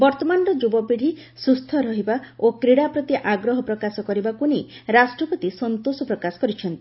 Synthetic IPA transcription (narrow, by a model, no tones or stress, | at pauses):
bɔɾt̪ɔmanɔɾɔd͡ʒubɔbiɽ̤ʱi | sust̪ʰɔɾɔɦibaokɾiɽapɾɔt̪iʔaɡɾɔɦɔpɾɔkasɔkɔɾibakuniɾasʈɾɔpɔt̪isɔnt̪osɔpɾɔkasɔ̥kɔɾit͡ʃʰɔnt̪i̥